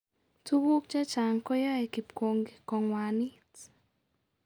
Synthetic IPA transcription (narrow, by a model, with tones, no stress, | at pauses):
tu˦βu˦kt͡ʃa˦t͡ʃa˨ŋkɔ˦ja˦ɛ˨ki˨pko˨ŋɡe˨kɔ˨ŋwa˨ni˦t